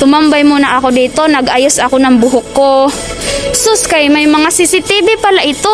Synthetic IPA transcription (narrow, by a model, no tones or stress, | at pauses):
t̪ʊmambajmʊnaʔakod̪iːt̪onɐɡʔajʊsʔakonɐŋbʊɦʊkːo | sʊskajmajmɐŋasɪsɪt̪ibɪpalaʔɪt̪o